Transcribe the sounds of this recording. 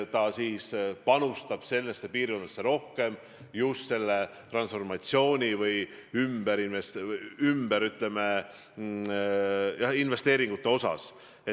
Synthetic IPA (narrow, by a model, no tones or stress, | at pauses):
t̪ɑsiːspɑnust̪ɑb̥se̞lːesːepiːrko̞nɑsːe̞ɾo̞hke̞m | just̪se̞lːet̪rɑnsfo̞rmɑt̪sio̞ːnʲivɯj | ymb̥eɾinvest̪ymbeɾyt̪ˑle̞me | jɑhinve̞st̪e̞ːɾiŋɡ̥ut̪ːe̞o̞sɑ̰s | e